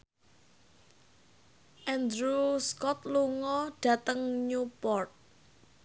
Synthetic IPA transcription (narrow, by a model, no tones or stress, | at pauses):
ʔɛnd̪ɾuskɔt̪luŋɔɖ̥ä̤t̪əŋɲupɔrt̪̚